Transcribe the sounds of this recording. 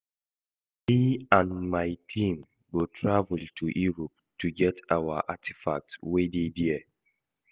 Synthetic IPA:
miãnmaɪtʰĩm | ɡotʰɹavəltʰuʔiɹɔp̚ | tuɡɛtʰawa̰ʔatʰi̥fa̰k̚twedediɛ

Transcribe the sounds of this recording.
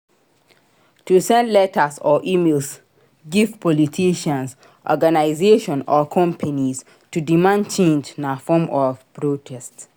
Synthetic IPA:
tusɛ̃nlɛtʰasɔʔimels | ɡiftpʰɔlitʰiʃãns | ʔɔ̰ɡanaɪzeʃɔ̃nɔkʰɔ̃mpʰanis | tudimãnt͡ʃẽnd͡ʒnafɔmɔvpɹotʰɛst

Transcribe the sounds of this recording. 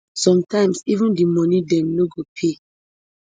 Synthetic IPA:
sɔ̃mtãɪ̃msivũndimɔnidɛ̃mnoɡopʰe

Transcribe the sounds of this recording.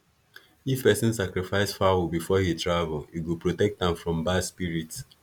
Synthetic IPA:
ifpɛsɔ̃nsakɹifaɪsfawubifɔhitɹavəliwipɹotɛk̚tãɱfɹɔ̃mbaspiɹit

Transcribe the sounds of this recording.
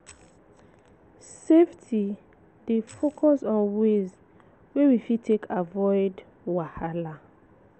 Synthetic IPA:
seftʰi | defokʰɔsɔ̃nwez | wewifitʰekʰavɔɪd | wahala

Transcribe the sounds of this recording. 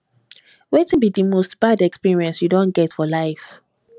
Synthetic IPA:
wetĩnbidimostb̥adɛkspiɹiɛ̃nsjudõnɡɛtfɔlaɪf

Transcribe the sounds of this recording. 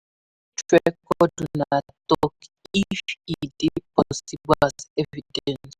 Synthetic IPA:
tɛkɔdunat̪ɔkifidepɔsibasɛvidɛns

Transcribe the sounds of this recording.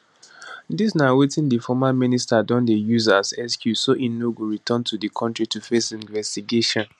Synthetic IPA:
disnawetĩndifɔmaministadɔ̃ndejuzasɛskʰjusoʔĩnːoɡuɹitʰɔ̃ntʰudikʰɔ̃ntɹitufesĩnvɛstiɡeʃɔ̃n

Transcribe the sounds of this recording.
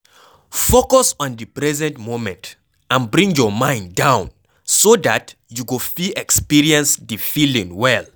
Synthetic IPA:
fokɔsɔ̃ndipɹɛzɛ̃ntmomɛ̃nt | ãnbɹĩŋjɔmãɪ̃nddãʊ̃n | sodatjuɡofiɛkspiɹiɛ̃nsdifilĩŋwɛl

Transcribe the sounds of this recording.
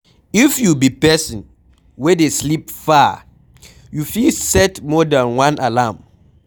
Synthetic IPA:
ifjubipɛsɔ̃n | wɛdeslipfa | jufilsɛtmɔdãnwãnʔalam

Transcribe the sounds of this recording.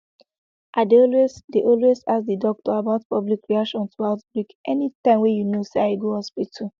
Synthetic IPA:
ʔadeɔlwesdeʔɔlwesasdidɔk̚tɔabaʊtpɔblikɹiakʃɔ̃ntʰuaʊtbɹikʔɛnitãɪ̃mwejunosaiɡuhɔspitʰu

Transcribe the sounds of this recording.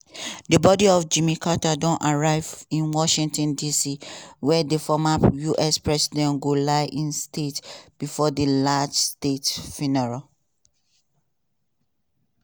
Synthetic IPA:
debɔdiɔfd͡ʒĩmikʰatadɔ̃nʔaɹaɪvĩnwɔʃĩŋtɔ̃ndisiwɛdefɔmajuʔɛspɹɛsidɛ̃nɡolaɪʔĩnstetb̥ifɔdelad͡ʒstetfinɛɹa

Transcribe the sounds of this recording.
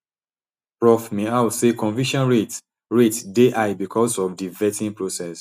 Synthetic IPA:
pɹɔfmeawsekɔ̃nvĩʃɔ̃nɹet | ɹetdeʔajbikʰɔsɔfdivɛtĩŋpɹosɛs

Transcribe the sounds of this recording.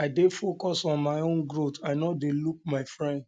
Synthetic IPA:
aɪdefokɔsɔ̃nmaɪõnɡɾotaɪnɔdeluk̚maɪfɹɛ̃nd

